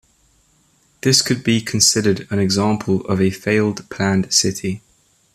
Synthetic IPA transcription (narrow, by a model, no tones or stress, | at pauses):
ðɪskʰəd̚bikʰə̃nsɪdədə̃nɛɡzɑ̃ˑmpʰələ̰vəfeɪlˠdpʰl̥ãndsɪtʰi